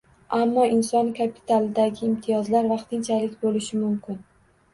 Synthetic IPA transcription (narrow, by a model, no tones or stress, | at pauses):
amːɒʔɪnsɒnkʰapʰi̥t̪ʰalˠɪd̪aɡʲɪːmt̪ʰijɒzlaɾvɑqt̪ʰɪnt͡ʃʰalɪkʲbolɪʃɪmʊmkʲʰɪn